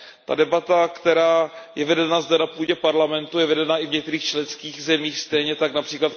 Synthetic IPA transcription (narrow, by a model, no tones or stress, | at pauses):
t̪a̰dɛbat̪akt̪ɛɾaːjɛvɛdɛnazdɛnapuːɟɛpaɾlamɛnt̪ujɛvɛdɛnaʔɪvɲɛk̚t̪ɛɾiːxt͡ʃlɛnskiːxzɛmiːxst̪ɛjɲɛt̪aknapr̥iːklat̪